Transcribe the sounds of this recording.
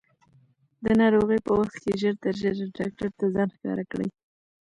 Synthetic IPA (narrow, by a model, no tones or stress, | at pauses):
d̪ənɑɾoɣəjpəwaxt̪keʒəɾt̪əɾʒəɾɖɑk̚ʈaɾt̪azɑnxkɑ̰ɾakɽə̰j